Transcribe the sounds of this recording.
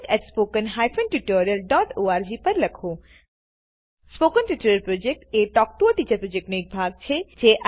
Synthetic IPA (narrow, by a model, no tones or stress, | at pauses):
kɛʈspoːkənɦaːjfʰə̃nʈuʈoːɾijəlɖɔːʈoːaːɾd͡ʒiːpɐɾlɐkʰoː | spoːkənʈuʈoːɾjəlpɾoːd͡ʒek̚ʈeːʈɔːk̚ʈuəʈiːt͡ʃəɾpɾoːd͡ʒek̚ʈneːk̚bʱaːɡ̚t͡ʃʰed͡ʒeːʔa